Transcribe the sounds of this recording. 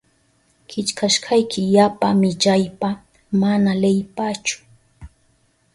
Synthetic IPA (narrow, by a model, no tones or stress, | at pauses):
kʰɪt͡ʃkaʃkʰɑjkʰɪjapamɪt͡ʃajpa | manalejpat͡ʃʊ̥